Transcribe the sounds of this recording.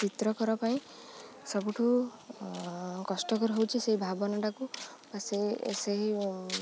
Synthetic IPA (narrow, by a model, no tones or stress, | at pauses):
t͡ʃit̪ɾɔkɔɾapaĩ | sɔbuʈʰu | kɔsʈɔkɔɾuɦowt͡ʃʰiseɦibʱabɔnaʈakubaseseɦi